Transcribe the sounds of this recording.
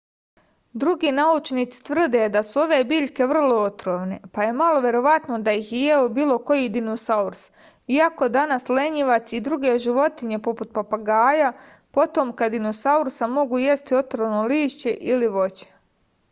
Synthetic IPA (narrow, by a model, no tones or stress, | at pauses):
d̪ɾuɡiːnaut͡ʃniːt̪si̥t̪ʋr̩d̪e̞d̪asuo̞ʋe̞ːbiːʎke̞ʋr̩lˠo̞ot̪ɾoʋne̞paje̞malo̞ʋje̞ɾo̞ʋat̪no̞d̪ajixjejeobiːlˠo̞ko̞jid̪inosauɾs | iako̞d̪anasleɲiʋat̪siːd̪ɾuɡe̞ʒiʋo̞t̪iɲe̞po̞put̪̚papaɡaːja | po̞t̪o̞mkad̪inosauɾsamo̞ɡujest̪io̞t̪ɾoʋnoliːʃt͡ɕe̞ʔiliʋo̞t͡ɕe̥